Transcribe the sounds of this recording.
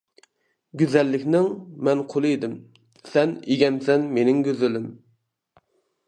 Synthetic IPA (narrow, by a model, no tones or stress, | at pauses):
ɡʲyzɛlːɪkʲnɪŋmɛnqʰolˠɨed̪ɪm | sɛneɡʲɛmsɛnmenɪŋɡʲøzɪlɪm